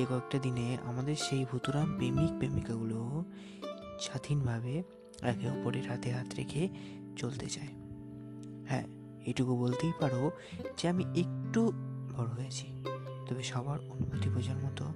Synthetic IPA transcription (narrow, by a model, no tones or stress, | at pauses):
ekɔek̚ʈad̪inea̰mad̪eɾʃejbʱut̪uɾanbemik̚bemikaɡulo | ʃad̪ʱinbʱabe | ɾakʰeɔpoɾeɾɦat̪eɦat̪ɾḛkʰe | t͡ɕolt̪ḛt͡ɕae | hɛ̰ | eʈukubolt̪ejpaɾo | d͡ʑeamiek̚ʈubʱɔɽoɦat͡ɕʰi̥t̪ɔbeʃɔbaɾonumot̪ibʱɔd͡ʑaɾmɔt̪o